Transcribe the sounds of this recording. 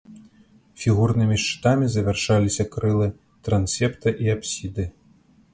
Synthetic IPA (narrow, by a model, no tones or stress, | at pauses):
fʲiɣurnɨmʲiʂt͡ʂɨ̥t̪amʲizɐvʲɛrʂalʲisʲɐkɾɨlˠɨ | t̪ɾansʲɛpt̪ɐʔiapsʲid̪ɨ